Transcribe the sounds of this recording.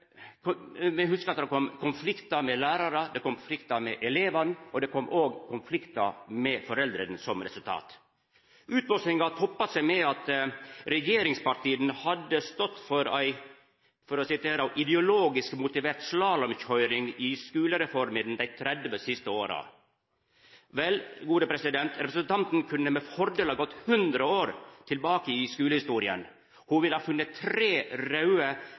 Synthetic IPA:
kʰmɛɪhʉskəɾɑt̪d̪ɛkʰɔmːkʰʊnflɪkt̪ɑmɛlæːɾɑɾəd̪ɛkɔmflɪkt̪ɑmɛʔɛleːʋɑnɔd̪ɛkʰɔmːʔoːɡkʰʊnflɪkt̪ɑmɛfɔɾɛld̪ɾənsɔmɾɛ̰sʉlt̪ʰɑ̰ːt̪ | ʉːt̪mɔsnɪŋɑt̪ʰɔpːɑt̪sæɪmɛɑt̪ɾɛjeːɾɪŋspɑɾʈ̪ʰiːənhɑd̪ːəst̪ɔt̪ːfɔɾæɪ | fɔɾɔsɪt̪ʰeːɾʔɪd̪ɛʊloːɡɪskmʊt̪ɪʋeːɾt̪slɑːlɔmçhœʏɾɪŋɪskʉːləɾɛfɔɾmɪd̪n̩d̪æɪt̪ʰɾɛd̪ʋəsɪst̪əoːɾɑ̰ | ʋɛlɡuːd̪əpʰɾɛsɪd̪ɛnt̪ɾɛpɾəsənt̪ʰɑnt̪n̩kʰʉnːəmɛfɔɾd̪eːlɑɡɔt̪ːhʉnd̪ɾəoːɾt̪ʰɪlbɑːkəɪskʉːləhɪst̪uːɾɪə̰n | hʊʋɪlhɑːfʉnːət̪ʰːɾeːɾɑʉə

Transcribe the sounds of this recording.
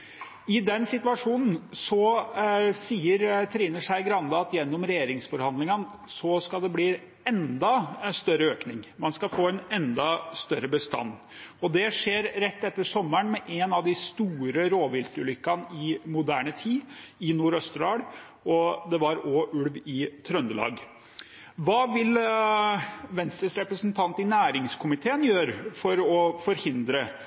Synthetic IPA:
ɪd̪ɛnsɪt̪ʋɑʂuːnn̩sɔ | siːəɾt̪ʰɾiːnəʂæɪɡɾɑnd̪ɑɑt̪jɛnːɔmɾɛjeːɾɪŋsfɔɾhɑnd̪lɪŋən | sɔskɑld̪ɛbliː | ɛnd̪ɑst̪œɾəøːknɪŋmɑnskɑfoːɛnɛnd̪ɑst̪œɾəbəst̪ɑ̰nː | ɔd̪ɛʂeːɾɾɛt̪ːɛt̪ːəɾʂɔmːəɳmɛʔɛnɑʋd̪ɪst̪uːɾəɾoːʋɪlt̪ɾəlʏkːɑnɪmʊd̪æːɳət̪ʰiːɪnuːɾœst̪ɾɑːɽ | ɔd̪ɛʋɑɾɔʔʉɽʋɪt̪ʰɾœnd̪əlɑ̰ːɡ | ʋɑːʋɪl | ʋɛnst̪əsɾɛpɾəsnt̪ʰɑnt̪ɪnæːɾɪŋskʰʊmɪt̪ʰeːənjøːɾfɔɾɔfɔɾhɪnd̪ɾə

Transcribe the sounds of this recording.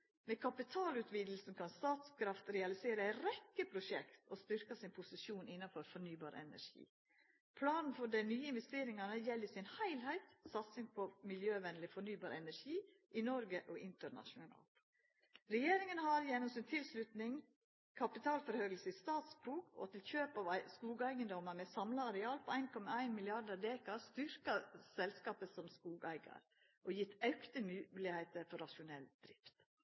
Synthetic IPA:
meːkʰɑpɪt̪ʰɑːlʉːt̪ʋiːd̪l̩sn̩kʰɑnst̪ɑːt̪skʰɾɑft̪ɾɛɑlɪseːɾəæɪɾɛkːəpʰɾʊʃɛkt̪ost̪ʏɾkɑsɪnpʰʊsɪʃuːnɪnːɑfɔɾfɔɾɳyːbɑ̰ːɾɛ̰næ̰ɾʂḭː | pʰlɑːnn̩fɔɖæɪnyːəɪnʋɛst̪eːɾɪŋɑnəjɛlːəsɪnhæɪlhæɪt̪sɑt̪sɪŋpʰɔmɪljøːʋɛnlɪfɔɳyːbɑːɾɛnæɾʂiː | ʔɪnɔɾɡəʔɔɪnt̪əɾɳɑ̰ʃʊnɑ̰ːlt̪ | ɾɛjeːɾɪŋənhɑɾjɛnɔmsɪnt̪ʰɪlslʉt̪nɪŋ | kʰɑpɪt̪ʰɑːlfɔɾhœʏlsəɪst̪ɑːt̪sbuːɡɔ̰t̪ɪlçøːpɑʋskuːɡæɪɡənd̪ɔməɾmɛsɑmlɑɑɾɛɑːlpʰɔæɪnkʰɔmɑæɪnmɪlɪɑdəɾd̪eːkɑst̪ʏɾkɑsɛlskɑːpəsɔmskuːɡæɪɡɑ̰ɾ | ʔɔjɪt̪ʰːɑʉkt̪əmʉːlɪheɪt̪əɾfɔɾɑʃʊnɛld̪̥ɾɪft̪

